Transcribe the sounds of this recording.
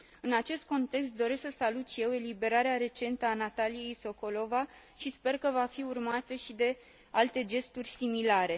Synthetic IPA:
ɨnat͡ʃe̞st̪̚ko̞nt̪e̞kst̪̚d̪o̞ɾe̞sksəsalut̪ʃije̞we̞libe̞ɾaɾeaɾe̞t͡ʃe̞nt̪əanat̪alije̞jso̞ko̞lo̞va | ʃispe̞rkəvafiurmat̪əʃid̪e̞ | alt̪e̞d͡ʒe̞st̪urʲsimilaɾe̞

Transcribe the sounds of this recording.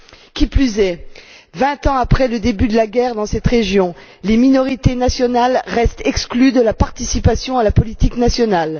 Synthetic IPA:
kʲiplyzɛvɛ̃t̪ɑ̃apχɛləd̪ebyd̪əlaɡʲɛʁd̪ɑ̃sɛt̪ʁeʒjɔ̃ | leminɔʁit̪enasjɔnalʁɛst̪ɛksklyd̪əlapaʁt̪isipasjɔ̃alapɔlit̪iknasjɔnal

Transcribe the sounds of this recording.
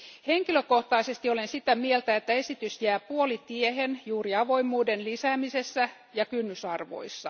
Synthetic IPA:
heŋkiløkoht̪ɑisest̪iolensit̪æmielt̪æet̪ːæe̞sit̪ysjæːpuolit̪iehenjuːriɑʋo̞imːuːdenlisæːmisesːæ | jɑkynːysɑrʋo̞̰isːɑ

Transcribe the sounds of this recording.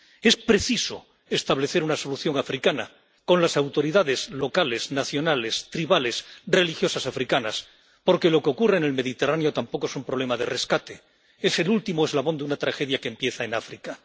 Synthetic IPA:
e̞spɾe̞θiso̞̰ | est̪aβle̞θe̞ɾunaso̞luθjo̞ŋafɾikana | ko̞nlasawt̪o̞ɾiðaðe̞zlo̞kale̞znaθjo̞nale̞st̪ɾiβale̞sre̞lixjosasafɾikanas | po̞ɾke̞lo̞keo̞kurene̞lme̞ðit̪eraneo̞t̪ampo̞ko̞e̞sumpɾoβle̞maðe̞re̞skat̪e | e̞se̞lult̪imoe̞zlaβo̞nd̪unat̪ɾaxe̞ðjakempje̞θae̞nafɾika

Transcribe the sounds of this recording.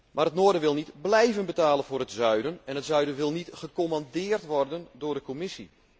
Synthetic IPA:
maːrətnoːrdəʋɪlˠnitblɛjvənbətaːlənvʊːɾətzœɥdənɛnətzœɥdəʋɪlˠnitχəkomandɪːrtʋɔrdəndʊːrdəkomɪsi

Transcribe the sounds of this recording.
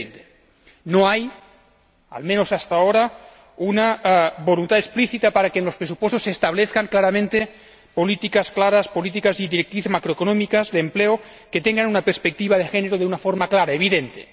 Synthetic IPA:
nt̪e | noaj | a̰lmenosast̪aoɾa | unabolunt̪at̪espliθit̪apaɾakenlo̞spɾesupwest̪osːest̪aβ̞leθkaŋklaɾamẽnt̪e | polit̪ikasklaɾaspolit̪ikaziðiɾek̚t̪ɾiθemakɾoekonomikazðeːmpleo | ket̪eŋɡanunapeɾspek̚t̪iβ̞aðexeneɾoðeunafoɾmaklaɾaeβiðent̪ḛ

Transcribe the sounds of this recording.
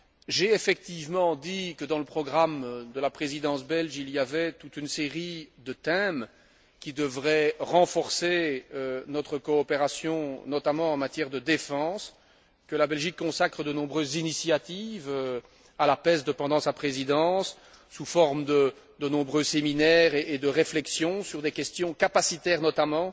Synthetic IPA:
ʒeefɛk̚t̪ivmɑ̃d̪ikəd̪ɑ̃ləpχɔɡʁamd̪əlapχezid̪ɑ̃sbɛlʒilijavɛt̪ut̪ynseʁid̪ət̪ɛm | kʲid̪əvʁɛʁɑ̃fɔʁseønɔt̪χəkɔːpeʁasjɔ̃nɔt̪amɑ̃ɑ̃mat̪jɛʁd̪əd̪efɑ̃s | kəlabɛlʒikːɔ̃sakχəd̪ənɔ̃bʁøzːinisjat̪ivø | alapɛsd̪əpɑ̃d̪ɑ̃sapχezid̪ɑ̃sː | ufɔʁmd̪ə | d̪ənɔ̃bʁøseminɛʁeed̪əʁeflɛksjɔ̃syʁd̪ekʲɛst̪jɔ̃kapasit̪ɛːʁnɔt̪amɑ̃

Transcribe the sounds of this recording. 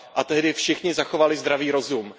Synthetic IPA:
ʔat̪ɛɦdɪfʃɪxɲɪzaxovalɪzd̪ɾaviːɾo̞zum

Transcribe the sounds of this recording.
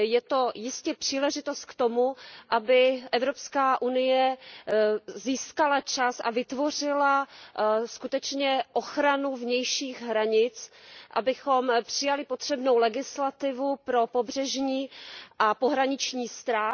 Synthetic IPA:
jɛt̪o̞jɪscɛpr̥iːlɛʒɪt̪o̞st̪̚kt̪o̞muʔabɪʔɛvɾo̞pskaːʔunɪjɛ | ziːskalat͡ʃasʔa̰vɪt̪vo̞r̝ɪla | skut̪ɛt͡ʃɲɛʔo̞xɾanuvɲɛjʃiːɣɦɾaɲɪt͡sʔa̰bɪxo̞mpr̥ɪjalɪpo̞t̪r̝̥ɛbnowlɛɡɪslat̪ɪvupɾo̞po̞brɛʒɲiːʔapo̞ɦɾaɲɪt͡ʃɲiːst̪ɾaː

